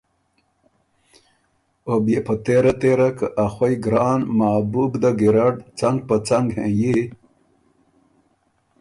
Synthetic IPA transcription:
obepət̪eɾat̪eɾakəʔaxojɡɾaːnmaːbubd̪aɡiɾaɖt͡saŋɡ̚pət͡saŋɡhẽji

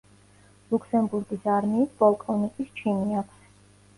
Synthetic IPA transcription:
lˠukʰsɛmbuɾɡisaɾmiːsbɔlˠkʼɔnikʼist͡ʃʰiniakʰs

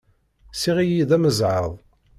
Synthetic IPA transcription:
siʁijiðæməzʕəðˤ

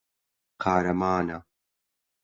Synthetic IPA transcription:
qʰaːɾɐmaːna

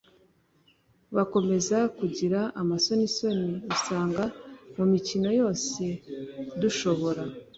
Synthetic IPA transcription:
βako̞me̞zakuɟiɾaʔamaso̞niso̞niusaːŋɡamumicino̞jo̞ːse̞duʃo̞βo̞ɾa

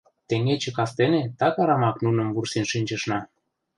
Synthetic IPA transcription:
t̪eŋet͡ɕĕkɑst̪enet̪ɑkɑɾɑmɑknunɤ̆mvursinʃinʲt͡ʃə̆ʃnɑ

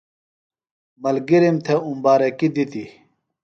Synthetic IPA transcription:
mɐlɡiɾimt̪ʰeumbaːɾekid̪it̪i

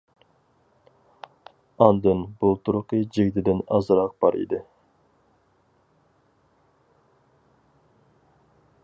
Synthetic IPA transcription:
ɑnd̪ɨnbulˠt̪ʰuɾʊqʰɨd͡ʒiɡʲt̪ʰɪd̪ɪnɑ̰zɾɑq̚b̥ɑɾḭd̪ɪ

